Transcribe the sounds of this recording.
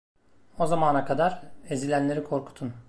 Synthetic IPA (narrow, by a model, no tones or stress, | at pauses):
o̞zamaːnakʰad̪aɾezilʲænlʲe̞ɾikʰo̞ɾkʰu̥t̪ʰun